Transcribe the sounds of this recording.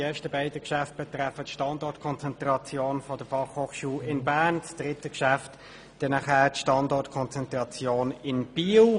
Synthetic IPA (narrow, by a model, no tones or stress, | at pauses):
eːɐʃtəbaɪdəkʃæft̚b̥ɛtɾɛfətʃtɑndɔtkʰɔnt͡sɛntʁɑt͡sjoːnfɔdəfɑχhoːχʃuːlɪnbæːʁnt͡sd̥ʁɪtəkʃæft | d̥ɛnɑχɛːtʃtɑndɔʁtkʰɔnt͡sɛntʁɑt͡sjoːnɪnb̥iːl